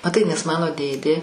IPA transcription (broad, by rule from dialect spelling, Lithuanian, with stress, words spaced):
mɐˈtɐɪ nʲɛs ˈmɑːnoː ˈdʲeːdʲeː